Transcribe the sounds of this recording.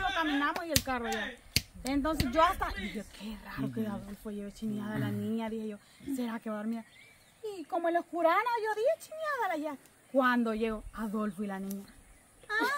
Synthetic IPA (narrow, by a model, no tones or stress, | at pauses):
lokamĩnãmosielkaroʝa | d̪ent̪̬o̞ns̬e̞sʝoast̪aiðihokʰeraɾokeaðolfoʝeɣot͡ʃinjaðalanĩɲaðiheʝo̞ | seɾake̞βaɾmiɾa | iko̞moenloskuɾanoʝo̞ðihet͡ʃinjaðalaʝa | kwand̪o̞ʝe̞ɣoaðolfoilanĩɲa | a